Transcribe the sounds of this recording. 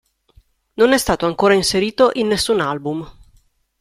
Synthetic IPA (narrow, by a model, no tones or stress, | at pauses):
nonɛst̪aːt̪oaŋkoːɾainseɾiːt̪oʔinːesːunalbum